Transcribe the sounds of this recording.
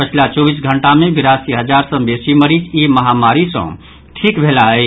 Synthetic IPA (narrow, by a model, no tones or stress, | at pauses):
pət͡ʃʰilat͡ʃobisɡʱəɳʈamebiɾasiɦəd͡ʒaɾsə̃besiməɾid͡ʒiməɦamaɾisə̰̃ | ʈʰikbʱelaəɪ